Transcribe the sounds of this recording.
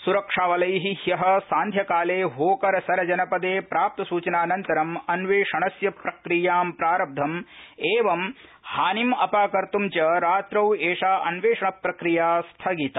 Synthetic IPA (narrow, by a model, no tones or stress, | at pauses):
suɾɐkʂaːʋɐlɐjɦihjɐɦɐ̆saːnd̪ʱjɐkaːleːɦoːkɐɾɐsɐɾɐd͡ʒɐnɐpɐd̪eːpɾaːp̚t̪ɐsuːt͡ʃɐnaːnɐnt̪ɐɾɐmɐnʋeːʂɐɳɐsjɐpɾɐkɾijaːmpɾaːɾɐb̚d̪ʱɐmeːʋɐmhaːnimɐpaːkɐɾt̪umt͡ʃɐɾaːt̪ɾɐweːʂaːʔɐnʋeːʂɐɳɐpɾɐkɾijaːst̪ʰɐɡit̪ɐ